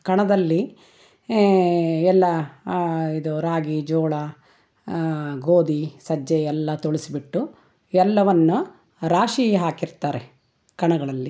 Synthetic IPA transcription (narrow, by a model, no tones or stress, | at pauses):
kɐɳɐd̪ɐlːi | ɛlːɐ | id̪uɾaːɡid͡ʒɔːɭɐ | ɡoːd̪isɐd͡ʒːeɛlːɐt̪oɭisibiʈːu | ɛlːɐʋɐnːu | ɾaːʂiːɦaːkiɾt̪aːɾe̞ | kɐɳɐɡɐɭɐlːi